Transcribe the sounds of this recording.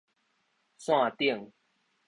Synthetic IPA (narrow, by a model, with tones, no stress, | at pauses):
sw̃ã˥˧t̪i˥˨ə˨ŋ